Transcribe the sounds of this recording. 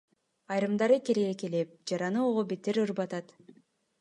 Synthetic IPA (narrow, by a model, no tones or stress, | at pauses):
ɑjɾɯmd̪ɑɾɯkeɾeɡekelep̚d͡ʒɑɾɑnɯoʁobet̪eɾɯɾbɑt̪ɑt̪